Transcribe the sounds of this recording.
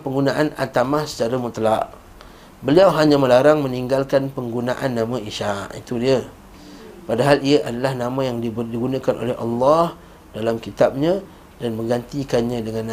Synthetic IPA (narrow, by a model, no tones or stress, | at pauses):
pəŋɡunaʔana̰t̪amahsə̥t͡ʃaɾamut̪laʔ | bəliawɦaɲãməlaɾaŋmə̃niŋɡalkanpəŋɡunaʔanːãmãiʃaʔḭt̪udiə | padaɦaliəʔadalahnãmãjaŋdibdiɡunãkanʔo̰lɛɦʔɑ̰lːɑh | dalamkit̪ap̚ɲã | danmə̃ŋɡant̪ikanɲãdəŋãn